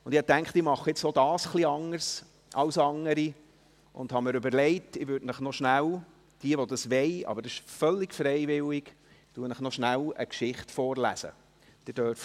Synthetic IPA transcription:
ʊnd̥̪ɪhɑtæŋkχtɪmɑχːəjɪt͡sod̥ɑːsχliɑŋəɾs | ʔɑwsɑŋːəɾi | ʔʊ̰nd̥̪hɑməɾʉbəɾlɛɪtɪʋøːtnəχnɔʃnæl | d̥iəʋɔd̥̪ɑsʋɛɪɑ̰bəɾdsɪʃfœlːɪɡfɾɛɪvɪlɪɡ | tuənəχnɔʃnælə̰kʃɪχtfɔːɾlæ̰sə̰ | d̥ɪd̥øɾf

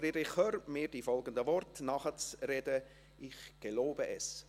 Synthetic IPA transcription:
ɾiɾɪχhøːɾmɪːɾd̥ifɔlɡəndəvɔrtnɑχət͡srɛdə | ʔɪχɡ̥əloːbəʔɛs

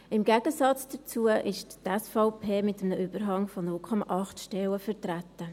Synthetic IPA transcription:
ɪmɡæɡ̥əsɑt͡sd̥ət͡suəʔɪʃtɛsfɔʊpʰeːmɪtəmnəʔʏb̥əɾɦɑŋfɔnʊlkʰɔmɑ̰ʔɑχtʃtɛləfəɾtɾætːə

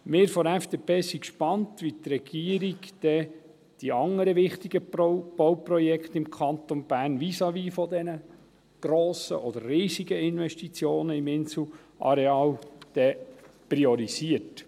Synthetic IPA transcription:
mɪːɾfɔɾæɛfd̪̥epeːsikʃpɑnt̪ʋit̪ɾɛɡ̥iəɾiɡd̥ɛ | d̥iɑŋəɾəʋɪχt̪iɡ̥əb̥ɔwpɾɔjɛkχt̪ɪmkʰɑnt̪onb̥æːrnʋisɑʋiːfɔd̪ɛnə | ɡ̥ɾoːsə̰ʔɔd̪əɾːiːziɡəɪnʋɛʃtit͡sjoːnəɪmɪnsl̩ | ʔɑ̰ɾɛɑːld̪̥ɛpɾiɔɾisiət

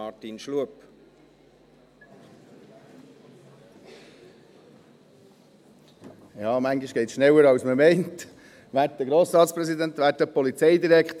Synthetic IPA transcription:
ɑtinʃluəp | jɑːmæŋɡiʃɡ̥ɛɪtsʃnɛwəɾɑwsməmɛɪnt | ʋæːɾt̚dəɡɾoːsɾɑːtsprɛsidænt̪ʋæːɾtːəpɔlit͡sɛɪd̪iɾɛkχt̪

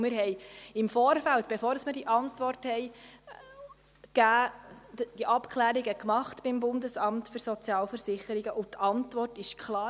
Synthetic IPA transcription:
mɪɾɦɛjɪmfɔːɾfæltb̥efoːɾəsməd̥iʔɑntʋɔrthɛj | kæː | d̥iʔɑpkʰχlæːɾiɡəkmɑχtb̥ɪmbʊndəsɑmtfyɾsɔt͡sjɑːlfəɾsɪχəɾɪɡəʔʊtɑntʋɔrtɪʃkʰlɑː

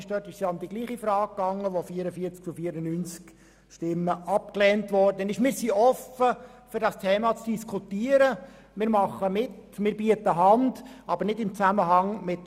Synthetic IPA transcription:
ʃd̥œtɪʃsjɑnd̪iɡ̥liːχifɾɑːk̚kːɑŋːəʋofiəɾəfiəɾt͡sk̚t͡sufiəɾənynt͡sk | ʃtɪmːəʔɑp̚klɛːntʋɔrdənɪʃmɪːɾsiʔɔfəfʏɾdɑstʰɛːmɑt͡sd̥iskʰutiːəɾə | mɪːɾmɑχːəmɪtmɪːɾbiətəɦɑndɑbəɾnɪdɪmt͡sæməɦɑŋmɪt

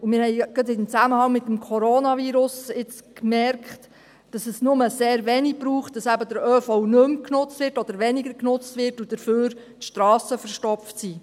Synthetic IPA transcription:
umɪɾhɛjɡ̥ɑdɪnt͡sæməhɑŋmɪt̪ːəmkʰɔɾoːnɑviːɾʊsɪt͡skmɛɾkχt | d̥ɑsəsnʊməseːɾʋɛnib̥ɾuːχt̚d̥ɑsæbəd̥əɾœːfɔwnɵmknʊt͡stʋɪɾtɔd̥̪əɾʋɛnɪɡəɾknʊt͡stʋɪɾtud̥əføːɾ | tʃtɾɑːsəfəɾʃtɔpftsi

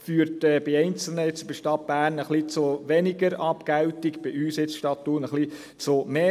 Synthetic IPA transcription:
fyːɾtɛːb̥ɪɛɪnt͡sl̩nəɪt͡sɪbəʃtɑt̚b̥æːrnəχlit͡sʊʋɛniɡəɾɑpkæwt̪ikb̥ɪʔyːsjɪt͡sʃtɑtːuːnəχli | t͡sʊmeː

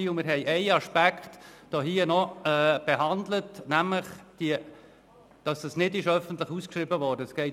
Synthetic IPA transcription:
iːʊmɪɾɦɛɪʔɛɪɑʃpækχtd̥ɔːɦiːənɔɛːb̥ɛɦɑndlətnæmləχd̥iə | d̥ɑsd̥ɑsnɪdɪʃœfən̩t̪ləχuskʃribəʋɔːɾdəəsɡ̥ɛɪ

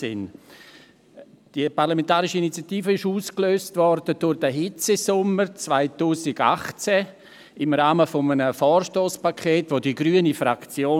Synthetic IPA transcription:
ɪ̰n | d̥iparlamɛ̃ntaːɾɪʃiinit͡sjatiːfəɪʃuːskløːstvɔrd̥əd̥ʊɾd̥əɦɪt͡sesʊməɾt͡svaɪtuːsɪɡa̰χt͡sɛ | ɪmɾaːməfɔmənəfɔːrʃtoːspakʰeːtvodiɡɾyənifɾakt͡sjoː

